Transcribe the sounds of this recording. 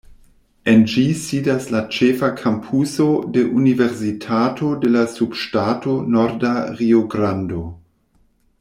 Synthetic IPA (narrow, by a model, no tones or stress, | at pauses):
end͡ʒisiːdaslat͡ʃefakʰampʰusodeʔuniveɾsitʰaːtʰodelasub̥ʃtaːtʰonoɾdaʁioɡɾando